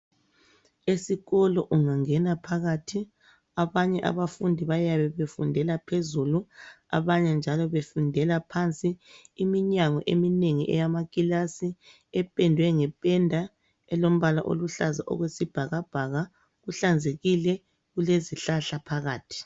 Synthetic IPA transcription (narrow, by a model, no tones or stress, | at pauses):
esiɣɔlɔʔuŋaŋɛnapʰaɣatʰi | aβaɲɛʔa̰βafundʱiβajaβɛβefundʱɛlapʰezulu | a̰βaɲɛnd͡ʒʱalɔβefundʱɛlapʰant͡sʼiːmiɲaŋɔ̰ʔemineŋiʔɛ̰jamakʼilasi | ɛpʼɛndʱwɛŋɛpʼɛndʱa | ɛlom̩βalaʔo̰luɬaza̰ʔɔ̰ɣwesib̥ʱaɣab̥ʱaɣa | ɣuɬand͡zʱeɣilɛ | ɣuleziɬaɬapʰaɣaːtʰi̥